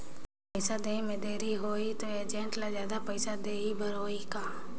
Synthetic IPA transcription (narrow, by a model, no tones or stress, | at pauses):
pəɪsad̪eːĩmẽd̪eːɾiɦoːit̪oeːd͡ʒẽːɳʈlazjaːd̪apəɪsad̪eːibʱəɾoːikaː